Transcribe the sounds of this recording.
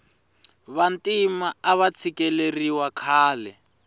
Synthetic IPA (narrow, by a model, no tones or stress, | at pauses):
βantʼimaaβat͡sʰikʼɛleriwakʰaːlɛ